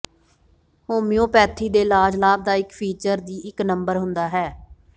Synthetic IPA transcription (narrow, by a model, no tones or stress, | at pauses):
hoːmijõːpɛːt̪ʰiːd̪eːlaːd͡ʒlaːb̚d̪aːɪkpʰiːt͡ʃəɾd̪iːʔɪknəmbəɾɦʊ̃nd̪aːɦɛː